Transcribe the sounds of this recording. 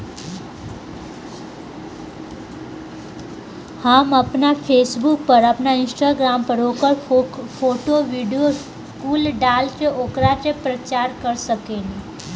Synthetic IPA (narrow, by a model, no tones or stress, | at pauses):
haməpnafʰeːsbuk̚pəɾəpnaɪ̃nsʈaɡɾampəɾokəɾfoʈoʋiɖijos | kulɖalt͡ʃeʔokɾat͡ʃepɾət͡ʃaɾkəɾsəkeni